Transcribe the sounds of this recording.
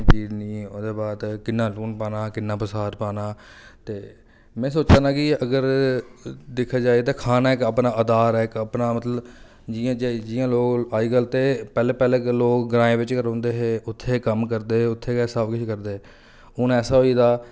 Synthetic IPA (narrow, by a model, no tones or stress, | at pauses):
t͡ʃiːzniːoːd̪eːbaːt̪kɪnːãːluːnpaːnaːkɪnːãːpəsaːɾpaːnaːt̪eː | mɛ̃ːsoːt͡ʃ̪aːnaːkɪəɡəɾ | d̪ekʰːaːd͡ʒaːet̪ãːkʰaːnaːɪkaːpnaːʔəd̪aːɾɛːɪkəpnaːmət̪ləb | d͡ʒiãːd͡ʒed͡ʒɪːãːloːkaːiːɡəlt̪eːpɛːleːpɛːleːkloːkɡɾãːẽːʋɪt͡ʃkəɾõːnd̪eːɦeːʊt̪ʰːeːkəmkəɾd̪eːʊt̪ʰːeːkɛːsaːbkɪt͡ʃʰːkəɾd̪eː | ʊnɛːsaːɦoːiːd̪aː